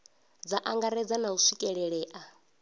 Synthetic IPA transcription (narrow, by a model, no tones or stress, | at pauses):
d͡zaʔaŋɡaɾɛd͡zanausʷikʼɛɺɛɺɛːʔa